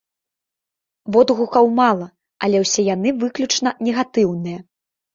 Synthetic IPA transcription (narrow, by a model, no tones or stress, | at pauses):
vɔd̪ɣuxɐwmalˠɐ | ɐlʲɛwsʲɛjanɨvɨklʲut͡ʂnɐnʲɛɣat̪ɨwnɨjɐ